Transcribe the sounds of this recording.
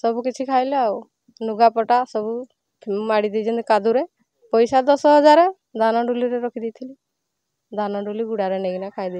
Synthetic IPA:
sɔbukit͡ʃʰikʰajleaw | nuɡapɔʈasɔbu | maɽid̪id͡ʒɔnt̪ikad̪uɾe | pɔjsad̪ɔsɔɦɔd͡ʒaɾe | d̪ʱanɔɖuliɾeɾɔkʰid̪ijt̪ʰili | d̪ʱanɔɖuliɡuɽaɾeneɡinakʰajd̪i

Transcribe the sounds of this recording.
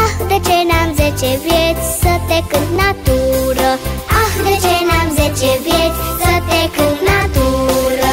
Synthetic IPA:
axd̪ət͡ʃenamzet͡ʃebet͡ssət̪ekənat̪uɾəaxd̪ət͡ʃenamzet͡ʃebet͡ssət̪ekənat̪uɾ

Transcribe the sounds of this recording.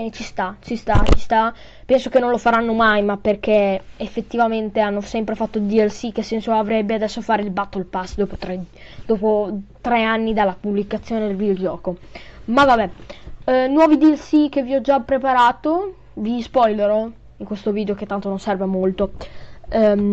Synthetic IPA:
t͡ʃist̪at͡ʃist̪at͡ʃist̪a | pɛnsokenːõnlofaɾanːomajmapːerk̟eefːet̪ːivament̪eanːosɛmpɾefat̪ːod̪iɛlsikesɛnsoavɾɛbːead̪ɛsːofaːɾeilbat̪ːolpasd̪ɔːpot̪ɾed̪ɔːpot̪ɾeanːid̪alːapublikat̪sːjoːned̪elvid̪eod͡ʒɔːkomavabɛ | nwɔːvid̪iɛlsikeviɔd͡ʒapːɾepaɾaːt̪o | vispɔjleɾo | iŋkwest̪oviːd̪eoket̪ːant̪ononsɛrvemolt̪o

